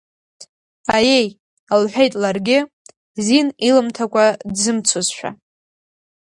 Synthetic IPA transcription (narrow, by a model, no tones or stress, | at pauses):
aje̞j | alħʷᶣejtʼlarɡʲɪ | zinilɨmtʰakʷʰʼadzɨmt͡sʰozʃᶣa̰